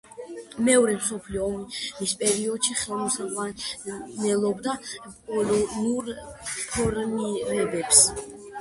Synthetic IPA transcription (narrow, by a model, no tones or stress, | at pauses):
mɛɔɾɛmsɔpʰliɔːmmispʼɛɾiɔd̪ʃiχɛlɔsawanɛlˠɔbd̪apʼɔlɔnuɾpʰɔɾmiɾɛbɛps